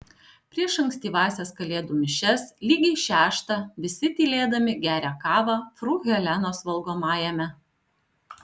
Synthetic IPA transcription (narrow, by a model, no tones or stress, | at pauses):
pʲɾʲiɛʃɐŋʲksʲt̪ʲiːʋɑːsʲɛskɐlʲeːd̪uːmʲɪʃʲɛslʲiːɡʲɛɪʃʲæːʃt̪ɑʋʲɪsʲɪt̪ʲiːlʲeːd̪ɐmʲɪɡʲæːɾʲæːkɑːʋɑːfɾuːɣʲɛlʲæːnoːsʋɐlˠɡoːmɑːjɛmʲɛ